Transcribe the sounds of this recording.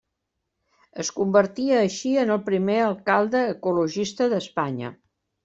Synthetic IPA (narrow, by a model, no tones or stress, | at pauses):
əskumbəɾt̪iəːʃiənəlˠpɾimeəlˠkalˠd̪əːkuluʒist̪əðəspaɲə̰